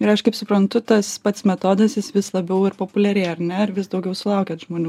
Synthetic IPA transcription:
ɪɾɐʃkɐɪpsʊpɾɐnt̪ʊt̪ɐspɐt̪smʲɛt̪oːd̪ɐsjɪsʋʲɪslˠɐbʲɛʊɪɾpoːpʊlʲɛɾʲɛɪɐɾnʲɛɪɾʋʲɪsd̪ɐʊɡʲɛʊsʊlˠɑʊkʲɛːt̪ʒmoːnʲuː

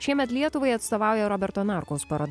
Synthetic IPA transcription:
ʃʲiɛmʲɛt̪lʲiɛt̪ʊʋɐɪɐt̪st̪oːʋɑˑʊjɛɾɔbʲɛɾt̪oːnɑɾkoʊspɐɾoːd̪

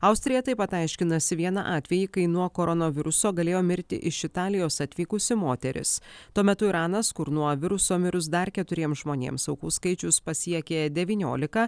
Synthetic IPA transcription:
ɐʊsʲt̪ʲɾʲɪjɛt̪ɐɪpɐt̪ɐɪʃʲkʲɪnɐsʲɪʋʲiɛnɐ̰ʔɑːt̪ʲʋʲɛjɪkɐɪnuɔkoːɾɔnoːʋʲɪɾʊsoːɡɐlʲeːjoːmʲɪɾʲt̪ʲɪ̰ʔɪʃɪt̪ɑːlʲɪjoːsɐt̪ʲʋʲiːkʊsʲɪmoːt̪ʲɛɾʲɪ̰st̪uɔmʲɛt̪ʊiɾɑːnɐskʊɾnuɔʋʲɪɾʊsoːmʲɪɾʊs̬d̪ɐɾkʲɛt̪ʊɾʲiɛmʒmoːnʲḛːmsɐʊkuːskɐɪt͡ʃʲʊspɐsʲiɛkʲeːd̪ʲɛʋʲiːnʲo̰ːlʲɪkɐ

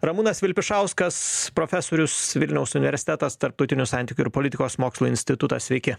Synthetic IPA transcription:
ɾɐmunɐsʋʲɪlʲpʲɪʃɑˑʊskɐspɾoːfʲɛsoːɾʲʊsʋʲɪlʲnʲɛʊsʊnʲɪʋʲɛɾʲsʲɪ̥t̪ʲɛt̪ɐst̪ɐɾp̚t̪ɔʊt̪ʲɪnʲʊsɑnʲt̪ʲiːkʲʊɪɾpoːlʲɪtʲɪkoːsmoːkslˠuːɪnʲsʲt̪ʲɪt̪ʊt̪ɑ̰sʲʋʲɛɪkʲɪ

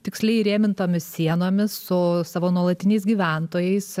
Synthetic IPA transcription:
t̪ʲɪksʲlʲɛɪɾʲeːmʲɪnt̪oːmʲɪssʲiɛnoːmʲɪssʊsɑːʋoːnuɔlˠɐt̪ʲɪnʲɛɪsɡʲiːʋʲæˑnt̪oːjɛɪs

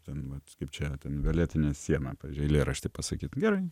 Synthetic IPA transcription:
t̪ʲɛnʋɐt̪kɐɪpt͡ʃʲɛt̪ʲɛnʋʲɛlʲiːt̪ʲɪnʲɛsʲiɛnɑpɑːʋʲiːzʲd͡ʒʲʊɪlʲeːɾɐʃʲt̪ʲɪːpɐsɐkʲiːt̪ɡʲæɾɐɪ

